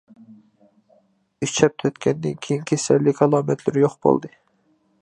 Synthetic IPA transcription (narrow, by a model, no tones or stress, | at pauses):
yʃt͡ʃʰɛp̚t̪ʰøt̪kʲʰɛnd̪ɪnkʲʰejinkʲʰisɛlːɪkʰɑlˠɑːmɛt̪ʰlɪɾjoχbo̰lˠd̪ɨ